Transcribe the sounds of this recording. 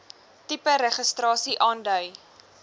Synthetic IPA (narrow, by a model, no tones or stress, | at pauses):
tipəɾəχəstrɑːsiʔɑːndœj